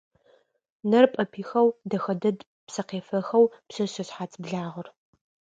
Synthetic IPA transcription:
nɐrpʼɐpʰiːxɐwdɐxɐdɐd | psɐqeːfɐxɐwpsɐɕɐɕħaːt͡sʰʼbɮaːʁɐr

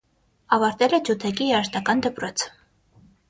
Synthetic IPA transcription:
ɑvɑɾt̪ɛlɛd͡ʒʰut̪ʰɛkijɛɾʃt̪ɑkɑnd̪əpɾɔt͡sʰ

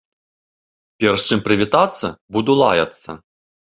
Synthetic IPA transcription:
pʲɛɾɐʂt͡ʂɨmpɾɨvʲit̪at̪sːɐbud̪ulˠa̰jɐt̪sːɐ̰

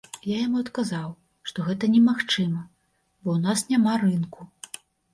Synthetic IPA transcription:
jajamuɐt̪kazaw | ʂt̪ɔɣɛt̪ɐnʲɛmaxt͡ʂɨmɐ | bɔwnasnʲamarɨnku

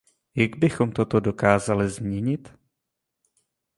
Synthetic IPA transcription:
jaɡbɪxo̞mt̪o̞t̪o̞do̞kaːzalɪzmɲɛɲɪt̪

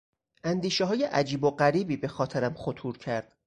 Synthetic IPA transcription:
ʔænd̪iːʃeɦɒːje̞ʔæd͡ʒiːboɢæɾiːbiːbe̞xɒːt̪ʰeɾæmχot̪ʰuːɾcʰæɾd̪̥

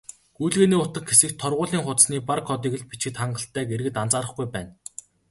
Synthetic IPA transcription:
ɡujɮɣeːniːʊt̪ə̆kxesɘ̆kt̪ʰːɔrʁʊːɮiːŋχʊt̪sniːparkʰɔt̪̬iːɣɘ̆ɮpit͡ɕɘ̆t̪χaɴɢə̆ɬt̪ʰːæːɡeɾɣɘ̆t̪ant͡saːɾə̆χɡujpæːn

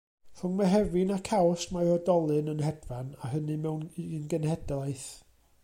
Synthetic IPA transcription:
fʊŋmaɦɛvinakʰawsmaɔdɔlˠɨnənɦɛdvanaɦənɨmɛwninɡənhɛdlˠajθ

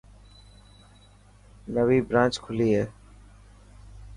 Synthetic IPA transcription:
nəʋiːbɾãːt͡ʃkʰʊliːɦɛː

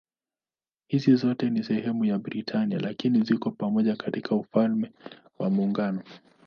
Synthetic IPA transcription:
hizizɔtɛnisɛhɛmujaɓɾitʰania̰lakinizikɔpamɔʄakatikʰaufalmɛ | wa̰muːŋɡanɔ

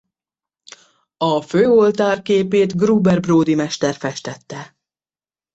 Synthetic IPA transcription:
ɒføːo̞lt̪aːrkeːpeːt̪ɡruːbɛrbroːd̪imɛʃt̪ɛrfɛʃt̪ɛt̪ːɛ

